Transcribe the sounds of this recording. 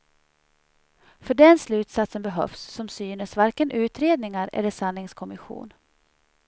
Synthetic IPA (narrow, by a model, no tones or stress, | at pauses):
fœɖɛnslʉ̟ːt̪sat̪sənbɛɦœ̰fsːɔmsyːnəsvaɾkənʔʉ̟ːt̪ɾeːd̪nɪŋaɾɛ̰lːəʂanlɪŋskʰɔmɪɧṵːn